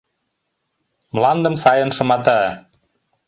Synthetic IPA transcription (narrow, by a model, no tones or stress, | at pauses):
mlɑnd̪ə̆msɑjɤ̆nʃɤ̆mɑt̪̬ɑ